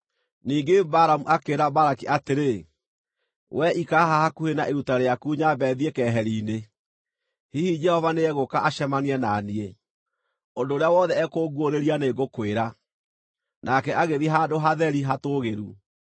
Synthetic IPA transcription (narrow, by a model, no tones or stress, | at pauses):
niːɡebaɾamuʔakeɾabaɾakiʔateɾe | wɛʔikaɦahakuhenaʔeɾutaɾeakuːɲabɛðiɛkɛɦɛɾiːne | hihid͡ʒɛhɔvaneɛɣokaʔaʃɛmaniɛnanie | ondoːɾeawɔðɛɛkoːɡwoɾeɾianeːɡokweɾa | nakɛʔaɣeðiɦaːdoɦaðɛɾiɦatoːɣeɾu